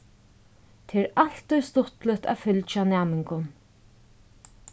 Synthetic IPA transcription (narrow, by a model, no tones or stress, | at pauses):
t̪ʰɛːɾal̥t̪ːɔjst̪ʊht̪lɪt̪a̰fʏlt͡ʃanæːmɪŋkʊn